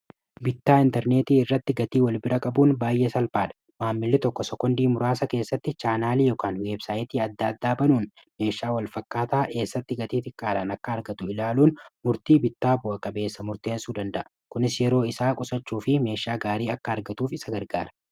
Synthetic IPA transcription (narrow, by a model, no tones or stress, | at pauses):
bɪt̪ːaːɪnt̪ɛɾne̞ːt̪iːɪrːɐt̪ːɪɡɐt̪iːwɐlbɪɾɐkʼɐbuːnbaːjʔeːsɐlpaːᶑɐ̥ | maːmːɪlːɪt̪ɔkːɔsɔkːɔnd̪iːmʊɾaːsɐke̞ːsːɐt̪ːɪt͡ʃaːnaːliːjoːkaːnweːbsaːɪt̪iːɐd̪ːaːd̪ːaːbɐnuːn | me̞ːʃaːwɐlfɐkːaːt̪aːʔe̞ːsːɐt̪ːɪɡɐt̪iːt̪ɪkʼːaːᶑɐnɐkːɐːɾɡɐt̪ʊɪlaːluːnmʊɾt̪iːbɪt̪ːaːbʊʔɐkʼɐbe̞ːsːɐmʊɾt̪e̞ːnsuːd̪ɐnd̪ɐʔɐ | kʊnɪsjɛɾo̞ːɪsaːkʼʊsɐt͡ʃːuːfɪme̞ːʃːaːɡaːɾiːɐkːɐɐɾɡɐt̪uːfɪsɐɡɐɾɡa̰ːɾɐ̥